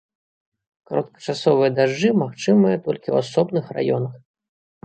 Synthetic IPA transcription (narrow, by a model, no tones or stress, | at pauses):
kaɾɐ̰t̪̚kɐ̥t͡ʂasɔvɨjɐd̪aʐːɨmaxt͡ʂɨmɨjɐt̪ɔlʲkʲiwasɔbnɨxra̰jɔnɐx